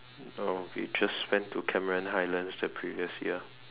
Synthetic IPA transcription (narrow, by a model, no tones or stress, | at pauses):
owḭd͡ʒasːpɛ̃ntʰːukʰɛməɹə̃nɦaɪlə̃nsdəpʰɹiviəsjḭə